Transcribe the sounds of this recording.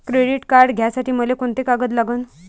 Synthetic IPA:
kɾeɽiʈkaɾɖɡʱjasaʈiːməlekoɳt̪ekaɡət̪laɡəːn

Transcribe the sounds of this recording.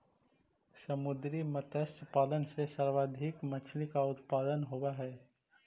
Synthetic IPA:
səmʊd̪ɾimət̪əst̪paːlənsesəɾʋaːd̪ʱikmət͡ʃʰlikaʊt̪paːd̪ənɦowaɦɛː

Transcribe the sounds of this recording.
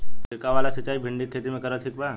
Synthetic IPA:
ɪɾkaʋalasət͡ʃːaːibʱɪ̃ɳɖikʰːeːt̪imẽkɐɾət̪ʰikba

